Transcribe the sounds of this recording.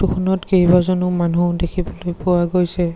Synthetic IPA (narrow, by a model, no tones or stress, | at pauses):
tukʰɔnɔtkeɦibazɔnumanudekʰibɔlojpʊwaɡojsɛ